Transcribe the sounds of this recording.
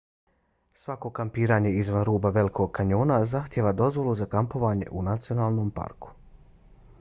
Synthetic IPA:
sʋako̞kampiːɾaːɲe̞izʋanɾuːbaʋe̞liko̞ɡ̚kːaɲo̞ːnazaxt̪jeʋad̪o̞zʋo̞lˠuzakampo̞ʋaːɲe̞̰ʔunat̪sio̞naːlˠno̞mpa̰ɾku̥

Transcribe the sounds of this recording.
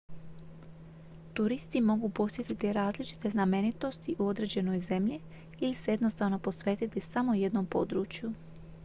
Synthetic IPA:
t̪uɾist̪imo̞ɡupo̞sje̞t̪it̪iɾaːzlit͡ʃi̥t̪e̞zname̞nit̪o̞st̪iʔuo̞d̪ɾe̞ːd͡ʑe̞no̞jze̞mʎi | iliseje̞d̪no̞st̪aʋno̞po̞sʋe̞ːt̪it̪isamo̞je̞d̪no̞mpo̞̰d̪ɾuːt͡ʃju

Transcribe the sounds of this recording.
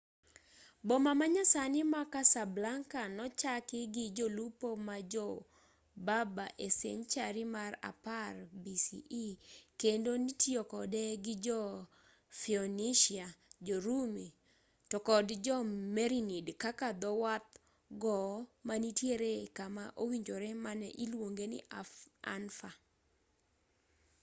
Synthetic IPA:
bɔmamaɲasanɪmakasablaŋkanɔt͡ʃakɪɡɪd͡ʒolupomad͡ʒɔ | babaʔesḛɲt͡ʃaɾɪmara̰parbisḭʔikendonitjokɔdɛɡɪd͡ʒɔ | fiɔniʃiad͡ʒɔɾumi | tɔkɔdd͡ʒɔmɛɾinidkakad̪ɔwat̪̚ | ɡɔmanitjeɾekamaʔowiɲd͡ʒoɾɛmanɛ̰ʔilwoŋɡenɪ̰ʔaa̰nfa

